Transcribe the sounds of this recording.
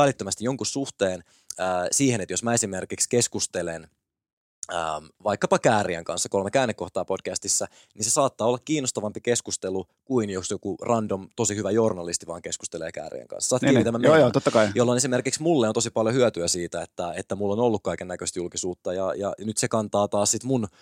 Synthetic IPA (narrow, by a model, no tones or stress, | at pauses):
ælit̪ːømæst̪ijoŋkussuht̪eːn | əːsiːhenet̪josmæesimerkikskeskust̪elen | ə̰mʋɑikːɑpɑkæːɾiæ̰ŋkɑ̰nsːɑko̞lmekæːnːekːoht̪ɑːpo̞d̥kæst̪isːæ | ninsesɑːt̪ːɑːolːɑkkiːnːost̪ɑʋɑmpikeskust̪elu | kuinjosjokurɑndomt̪o̞sihyʋæjo̞rnɑlist̪iʋɑ̰ːŋke̞skust̪eleːkæ̰ːrḭæ̰ŋkɑ̰nsɑ̥sɑːt̪ːiit̪æmːæmjːjoːt̪ot̪ːɑkɑijolːone̞sime̞rkiksmulːeont̪osipɑljohyøt̪yæsiːt̪æet̪ːæet̪ːæmulːonolːukkɑikenːækøst̪julkisuːt̪ːɑjɑjɑ̰nyt̪sekɑnt̪ɑːt̪ɑːssit̪mun